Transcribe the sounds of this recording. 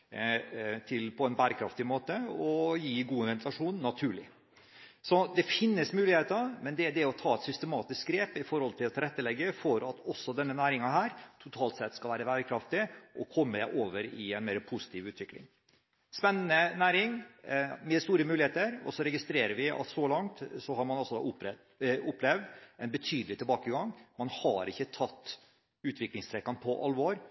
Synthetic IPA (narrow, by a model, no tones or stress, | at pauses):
t̪ʰɪlpʰɔɛnbæːɾəkʰɾɑft̪ɪmoːt̪əɔjiːɡuːnʋɛnt̪ʰlɑʂuːnːɑt̪ʰʉːɭɪ | sɔd̪ɛfɪnːəsmʉːlɪheːt̪əmɛnd̪ɛd̪ɛɾɔt̪ʰɑːɛt̪sʏst̪əmɑːt̪ɪskɡɾeːpɪfɔɾhɔlt̪ʰɪlɑt̪ʰɪɾɛt̪ːəlɛɡːəfɔɾɑt̪ɔsːɔd̪ɛnːənæːɾɪŋɑɦæːɾt̪ʰʊt̪ʰɑːlt̪sɛt̪ːskɑlʋæːɾəbæːɾəkʰɾɑft̪ɪʔɔkʰɔmːəʔoːʋəɾɪɛɪnmeːɾəpʰʊsɪ̥t̪ʰiːʋʉːt̪ʋɪklɪ̰ŋ | spɛnːənənæːɾɪŋ | mɛd̪st̪uːɾəmʉːlɪheːt̪əɾɔ̰sɔɾɛɡɪst̪ɾeːɾəɾʋɪɑ̰t̪sɔlɑŋt̪sɔhɑɾmɑnɑlsɔd̪ɑ̰ːʊp | ʊpːlɛʋd̪ɛnbət̪ʰyːd̪əlɪt̪ʰɪlbɑːkəɡɑŋmɑnhɑɾɪçːət̪ʰɑt̪ː | ʉːt̪ʰʋɪklɪŋst̪ʰɾɛkːɑnpʰɔʔɑlʋɔɾ